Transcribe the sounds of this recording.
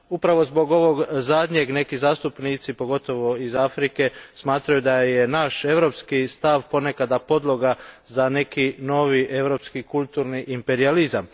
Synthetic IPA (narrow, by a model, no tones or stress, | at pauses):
upɾaʋo̞zbo̞ɡo̞ʋo̞ɡzad̪ɲe̞ɡne̞kizaːst̪upnit̪sipo̞ɡo̞t̪o̞ʋo̞izafɾike̞smaːt̪ɾajud̪aje̞naʃe̞ʋɾo̞pskist̪aʋpo̞ne̞kad̪apo̞d̪lˠo̞ɡazane̞kino̞ʋiʔe̞ʋɾo̞pskikult̪uɾniʔimpe̞ɾializam